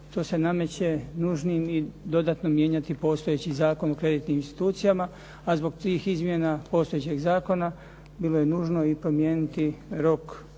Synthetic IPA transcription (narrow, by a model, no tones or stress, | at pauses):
t̪o̞ːse̞name̞t͡ɕe̞nuʒniːmid̪o̞d̪aːt̪no̞mje̞ːɲat̪ipo̞ːst̪o̞jet͡ɕizaːko̞nokɾe̞d̪iːt̪niːminst̪i̥t̪uːt̪sijama | azbo̞ɡt̪ʋiːxizmjenapo̞ːst̪ojet͡ɕeɡzaːko̞na | bilˠo̞je̞nuːʒno̞ipɾo̞mjeːnit̪iɾo̞k